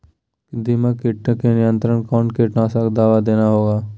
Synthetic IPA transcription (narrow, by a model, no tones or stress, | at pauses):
d̪imakɪʈnkenɪjə̃nt̪ɾəɳkɔːnkeʈnaːsakd̪aːʋad̪eːnaɦoːɡaː